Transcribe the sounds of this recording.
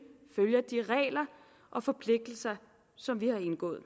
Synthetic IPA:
føljɐd̥iʁɛ̰ːlɐ | ʔɒ̽fɒ̽pʰle̝ɡ̥̚d̥l̩sɐ | sɒ̽mʋihɑ̈e̝nɡ̥ɔ̰̽ːð̩ˠ

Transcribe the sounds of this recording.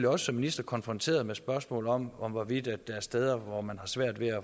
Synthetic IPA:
liɒ̽sə̥sɒ̽mːinisd̥ɐkʰɒ̽nfʁɒ̽nt͡sʰe̝̰ːɐð̞ˠmesb̥ɶɐsmɔ̰̽ːlɒ̽mɒ̽mʋɒʋid̥æd̥ːɑæɐsd̥eð̞ˠɐʋɒmænhɑ̈sʋæɐ̰d̥ʋe̝æ

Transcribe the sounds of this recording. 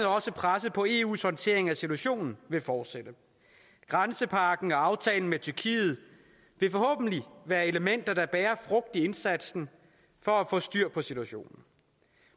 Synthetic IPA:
ð̩ɒ̽səpʰʁasəpʰɒ̽e̝ṵːshɒ̽nt͡sʰe̝̰ɐ̰e̝ŋæsit͡sʰuæɕo̝̰ːnn̩ʋe̝fɒːd̥sed̥ə | ɡ̥ʁansəpʰɑ̈ɡ̥n̩ɒ̽ɑ̈ʊt͡sʰɛ̰ːln̩met͡sʰyɐkʰḭːð̞̩ˠ | ʋe̝fɒ̽hɔ̰ːb̥n̩liʋæːɐe̝ləmen̰d̥ɐɾ̥ɑ̈b̥ɛːɐfʁɔ̽ɡ̥̚d̥ie̝nsæd̥sn̩ | fɒ̽æfɔ̰̽ːsd̥yɐ̰pʰɒ̽sidʰuæɕo̝̰ːnn̩

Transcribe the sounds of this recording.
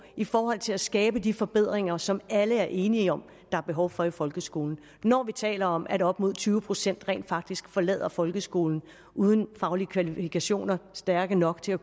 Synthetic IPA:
ifɒːɦɒ̽l̰t͡sʰe̝læsɡ̥ɛːb̥əd̥ifɒ̽b̥e̝ð̰ˠʁeŋɐsɒ̽mæləæɐʔe̝ːniəɒ̽m | d̥ɑ̈æɐb̥e̝ɦɒʊfɒ̽ifɒ̽lɡ̥əsɡ̥o̝̰ːln̩ | nɒːʋit͡sʰɛ̰ːlɐɒ̽mʔæɾɒ̽b̥mo̝ð̞̰ˠt͡sʰyːʊəpʰʁo̝sen̰d̥ʁɛ̰ːnd̥fɑ̈ɡ̥̚d̥isɡ̥fɒ̽lɛ̰ð̰ˠɐfɒ̽lɡ̥əsɡ̥o̝ːln̩ | ʔuːð̞ˠn̩fɑ̈ʊliəkʰʋælifikʰæɕo̝̰ːnɐsd̥æɐɡ̥ənɒ̽ɡ̥t͡sʰe̝æ

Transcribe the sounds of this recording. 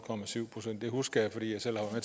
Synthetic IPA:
kʰɒ̽mæsyʊ̰pʰʁosen̰d̥ːe̝husɡ̥ɐjɑ̈ɪfɒ̽d̥ḭːjɑ̈ɪsel̰hɑʋmet͡sʰ

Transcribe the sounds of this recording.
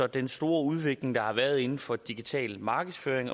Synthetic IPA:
ɒd̥ensd̥o̝ːɐuð̞ˠʋe̝ɡ̥le̝ŋd̥ɑ̈hɑ̈ʋæɐð̞̩ˠe̝nn̩fɒ̽d̥iɡ̥it͡sʰɛ̰ːlmɑ̈ːɡ̥əð̩ˠsføːɐeŋɒ̽

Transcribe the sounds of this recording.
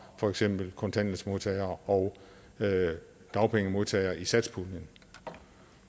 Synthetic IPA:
fɒ̽eɡ̥sem̰b̥l̩kʰɒ̽nt͡sʰæn̰ləsmo̝ðˠt͡sʰɛɪɐːʔɒʊ | d̥ɑ̈ʊpʰeŋəmo̝ðˠt͡sʰɛɪɐːʔisæd̥spʰunən

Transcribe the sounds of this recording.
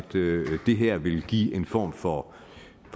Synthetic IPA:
d̥d̥e̝ɦæɐ̰ʋe̝lɡ̥ḭːe̝nfɒ̰ːmfɒ̽ | f

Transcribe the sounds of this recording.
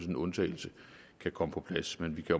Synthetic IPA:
snnɔ̽nt͡sʰɛ̰ɪl̩sə | kʰækʰɒ̽məpʰɒ̽pʰlæsmenʋikʰæ

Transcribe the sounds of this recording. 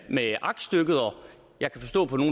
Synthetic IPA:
meʔɑ̈ɡ̥sd̥øɡ̥əð̩ˠɒ̽ | jɑ̈ɪkʰæfɒ̽sd̥ɔ̰̽ːpʰɒno̝ː

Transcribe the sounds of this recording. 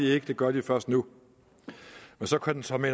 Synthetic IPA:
ie̝ɡ̥əd̥e̝ɡ̥ɶɐd̥ifɶɐsd̥nu | mensɒ̽kʰud̥ensɒ̽me

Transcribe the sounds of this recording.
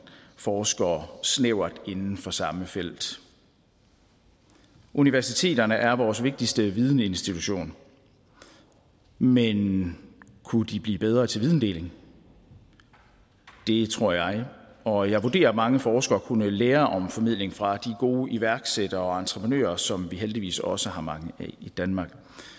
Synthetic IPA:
fɒːsɡ̥ɐsneʊ̰ɐd̥e̝nn̩fɒ̽sɑ̈məfel̰d̥ | ʔuniʋæɐsit͡sʰe̝̰ːd̥ɐnəʔæɐʋɒːsʋe̝ɡ̥̚d̥isd̥əʋið̞ˠn̩e̝nsd̥it͡sʰuɕo̝̰ːn | men | kʰud̥ib̥lḭːb̥eð̞ˠʁɐːt͡sʰe̝lʋið̞ˠn̩d̥e̝̰ːle̝ŋ | d̥e̝t͡sʰʁo̝ɐ̰jɑ̈ɪɒ̽jɑ̈ɪʋo̝de̝̰ːɐmɑ̈ŋəfɒːsɡ̥ɐɒkʰunəleːɐʔɒ̽mfɒ̽mḭð̞̰ˠle̝ŋfʁɑ̈d̥iɡ̥o̝ːʔiʋæɐɡ̥sed̥ɐɒ̽ɑ̈nt͡sʰʁəpʰʁənø̰ːɐsɒ̽mʋiɦeld̥iʋḭːsɒ̽səɦɑ̈mɑ̈ŋəʔɛid̥ænmɑ̈ːɡ̥

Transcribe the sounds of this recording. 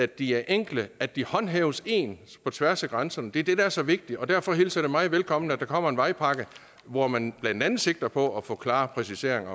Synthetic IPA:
ædd̥iæɐʔeŋ̰ɡ̥ləæ̥ihɒ̽nɦɛːʊse̝̰ːnpʰɒ̽t͡sʰʋæɐsæɡ̥ʁɑnsɐnəd̥e̝ɐd̥e̝d̥ææɐsɒ̽ʋe̝ɡ̥̚d̥iɒ̽d̥æɐ̰fɒ̽ɦilsɐɾ̥e̝mɑ̈ɪʋelkʰɒ̽m̰nəæd̥ɑ̈kʰɒ̽m̰ɐe̝nʋɑ̈ɪpʰɑ̈ɡ̥ə | ʋɒmænb̥lænd̥ænð̩ˠse̝ɡ̥̚d̥ɐpʰɒ̽æfɔ̰̽ːkʰlɑ̈ːpʰʁɛsise̝ɐ̰e̝ŋ

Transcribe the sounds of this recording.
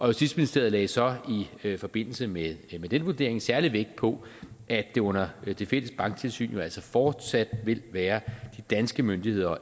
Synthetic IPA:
ʔɒ̽josi̥sminisd̥e̝ɐð̩ˠlɛ̰ːsɒ̽ifɒ̽b̥e̝n̰l̩səmemed̥enʋud̥e̝ɐ̰eŋsæɐliʋeɡ̥̚d̥̚pʰɒ̽ʔæd̥e̝ɔ̽n̰ɐd̥e̝fel̰əsb̥ɑ̈ŋɡ̥t͡sʰe̝lsy̰ːnjo̝æl̰sɒfɒːd̥sæd̥ʋe̝lʋæːɐd̥id̥ænsɡ̥əmønd̥ihe̝ð̞̰ˠɐ

